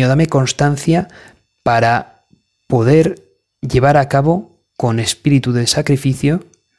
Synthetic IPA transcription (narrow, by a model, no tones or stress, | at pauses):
oðame̞ko̞nst̪an̟θja | paɾa | po̞ð̞e̞ɾ | ʎe̞β̞aɾakaβ̞o | ko̞ne̞spiɾit̪uðe̞sakɾifiθjo